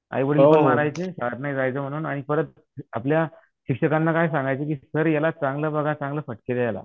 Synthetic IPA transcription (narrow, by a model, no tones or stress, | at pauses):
a̰jʋəɽəmaɾajt͡sesaəɾnajd͡zajt͡səm̤əɽ̃uːnaɽ̃ifəɾət̪ | aplja | ɕikʂəkanːakajs̬ãŋɡajt͡sek̬iːsəɾjalat͡sãŋɡləːbəɡʱat͡sãŋɡləːfəʈkelejala̰